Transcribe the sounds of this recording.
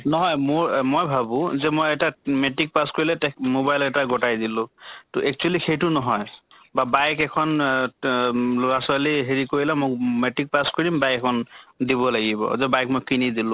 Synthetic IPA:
nɔɦɔjmʊɹmojbʱabʊ̃zɛmojɛtametik̚paskoɹilɛtmobajlɛtaɡɔtajdilʊ̃tʊʔɛk̚t͡ʃualixejtʊnɔɦɔj | babajkɛkʰɔn | lʊɹasɔaliɦeɹikoɹilɛmometik̚paskoɹidimbajkɛkʰɔndiβɔlaɡibɔ̰zɛbajk̚mojkinidilʊ̃

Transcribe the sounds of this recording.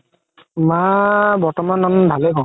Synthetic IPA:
mabɔɹtɔmanːanbʱalɛkɔ̃

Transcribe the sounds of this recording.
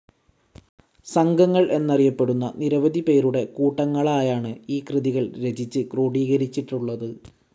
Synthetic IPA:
sɐŋɡɐŋːɐɭʔe̞nːɐrijɐpːe̞ɽunːɐniɾɐʋɐd̪ʱipe̞ːɾuɽe̞kuːʈːɐŋːɐɭaːjaːɳɨiːkrɨðiɣɐɭɾe̞d͡ʑit͡ɕːɨkroːɽiːɣɐɾit͡ɕːiʈːuɭːɐðɨ

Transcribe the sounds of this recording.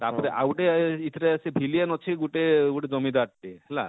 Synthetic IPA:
t̪apɔɾeʔawʈeit̪ʰɾesibʱilienɔt͡ʃʰiɡuʈeɡuʈed͡ʒɔmid̪aʈʈiɦela̰

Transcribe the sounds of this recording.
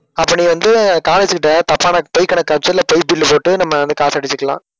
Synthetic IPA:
ɐpːɐniʋɐnd̪ɯkaːnɐt͡ʃːɯkːɪʈːɐt̪ɐpːaːnɐpɔɪkːɐɳɐkːɐt͡ʃːɐlɐpɐɪjpɪlːɯpoːʈːɯnɐmːɐʋɐnd̪ɯkaːsɐːɽɪt͡ʃːɯkːɐlã̰ː

